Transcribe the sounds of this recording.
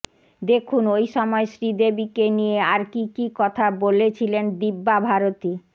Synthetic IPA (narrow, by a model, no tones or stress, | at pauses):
d̪ekʰunojʃɔmɔeʃɾid̪ebikenijeaɾkikikɔt̪ʰabolet͡ɕʰilend̪ibːabʱaɾot̪i